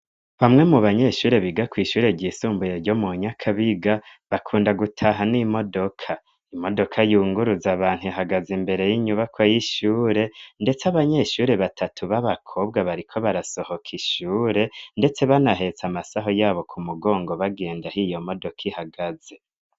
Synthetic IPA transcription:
βamŋe̞muβaɲe̞ʃuːɾe̞βiɡakwiːʃuːɾe̞ɾɟiːsuːmbujeɾɟo̞muɲakʰaβiɡaβakʰuːndaɡutʰaɦanimo̞do̞kʰa | imo̞do̞kʰajuːŋɡuɾuzaβaːn̥huaɦaɡazimbe̞ɾe̞jiɲuβakʰwajiʃuːɾe̞nde̞t͡seaβaɲe̞ʃuːɾe̞βatʰatʰuβaβakʰo̞bɡaβaɾikʰo̞βaɾaso̞ho̞kʰiʃuːɾe̞nde̞t͡se̞βanaɦe̞t͡samasaɦo̞jaːβo̞kʰumuɡo̞ːŋɡo̞βaɡe̞ːndahijo̞mo̞do̞kʰihaɡaze̞

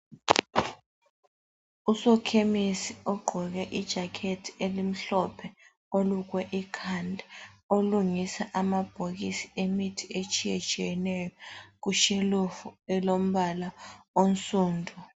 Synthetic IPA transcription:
usɔkʰemisiɔɡ͡ǃʱɔk̬ɛʔid̥ʒ̥ʱakʰetʰielim̩ɬɔpʰɛ | oluk̬wɛʔikʰandʱɛoluŋisaʔamab̥ʱok̬isi̥emitʰiet͡ʃʼʰijɛt͡ʃʼijɛnɛjɔk̬uʃelufuɛlom̩ɓalaonsuːndʱu

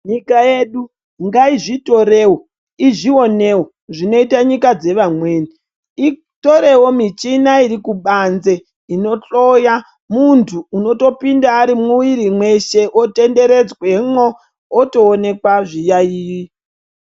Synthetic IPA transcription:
ɲikajeɗu | ŋɡaiʐito̞ɾe̞ːwo | iʐio̞newo | ʐino̞itaɲikad͡ze̞ʋamwe̞ːni | i | to̞ɾe̞wo̞mit͡ʃinaiɾikuɓanze̞ | ino̞t͡ɬo̞ja | muntʰuːno̞to̞pindaːɾimuwiɾimwe̞ʃe̞ʔote̞nde̞ɾe̞d͡zwe̞ŋoː | to̞ːne̞kwaʐijaiːwi

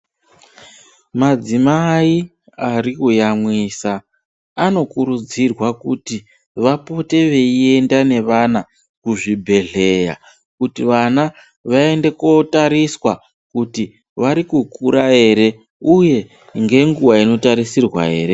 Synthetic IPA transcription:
mad͡zimai | arikujamwisaː | no̞kuɾud͡zirwakuti | ʋapo̞te̞ʋe̞ie̞ndane̞ʋana | kuʐibʱe̞ɮe̞ja̰ | kutiʋana | ʋae̞nde̞ko̞taɾiswa | kuti | ʋaɾikukuɾaɦe̞ɾe̞ | uje̞ | ŋɡe̞ŋɡuwaino̞taɾisirwa̰ɦe̞ːɾe

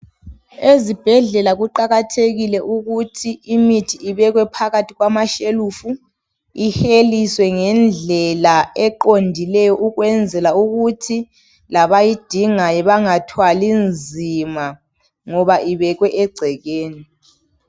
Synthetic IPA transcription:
ezib̥ʱɛɮɛlaɣuǃaɣatʰeɣilɛʔuɣutʰiimitʰiiβɛɣwɛpʰaɣatʰiɣwamaʃeluːfu | ixeliswɛŋɛnd͡ɮʱɛlaɛǃondʱilɛjɔʔuɣwɛnd͡zʱɛlauɣutʰi | laβajid̥ʱiŋajɛβaŋatʰwalind͡zʱima | ŋɔβaʔiβɛɣwɛʔɛɡ͡ǀʱɛɣeːni

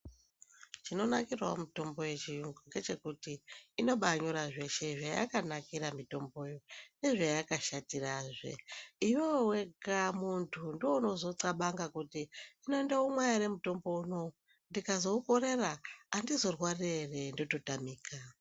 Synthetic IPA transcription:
t͡ʃino̞nakirwa̰mito̞mbo̞je̞t͡ʃijuŋɡuŋɡe̞t͡ʃe̞kutiːno̞ɓaɲoɾaʐe̞ʃe̞ʐaja̰kanakiɾamito̞mbo̞ːjone̞ʐajakaʃatiraʐe̞̰iwowe̞kamuntʰundiwouno̞zo̞t͡saɓaŋɡakutiːno̞endaumwajaɾemuto̞mbo̞uno̞ | ndikazo̞uko̞ɾe̞raːndizo̞rwarere̞ndo̞to̞tamiːka

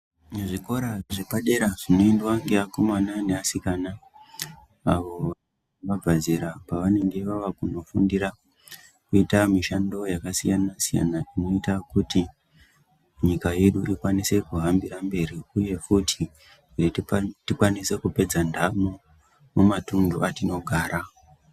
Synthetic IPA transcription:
neʐiko̞ɾaʐepaɗe̞ɾaʐino̞endwaŋɡe̞ako̞manane̞asikana | aʋo̞ʋa | ʋab͡vʱaziɾapaʋane̞ŋɡe̞ʋaʋakuno̞fundiɾa | kuitamiʃando̞jakasijanasija̰naʔino̞itakuti | ɲikaje̞ɗuʔikwanise̞kuɦambiɾambe̞ɾiuje̞kutʰi | ritikwanise̞kupe̞d͡zandʱamu | mumatunduatino̞ɡʱaːɾa

